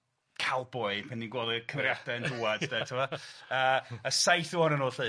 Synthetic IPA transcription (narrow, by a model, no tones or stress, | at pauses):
kʰalˠbɔɨpʰaninɡwoːdəkʰəmrjadɛənduwad̥dɛtʰɪmɔəːəsajθuɔnənʊːɬɨ